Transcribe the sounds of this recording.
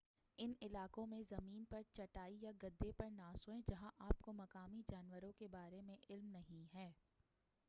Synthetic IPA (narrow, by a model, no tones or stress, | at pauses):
ɪnɪlaːkõmẽzɐmiːnpɐɾt͡ʃɐʈaːijaɡɐd̪ːepɐɾnaːsõɦɛ̃d͡ʒɐɦãʔaːpkomɐkaːmid͡ʒaːnwəɾõkebaːɾemẽʔɪlmnɐɦĩɦɛː